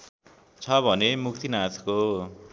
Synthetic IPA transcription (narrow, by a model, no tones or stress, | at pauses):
t͡sʰʌbʱʌnemuk̚t̪ʰinat̪ʰko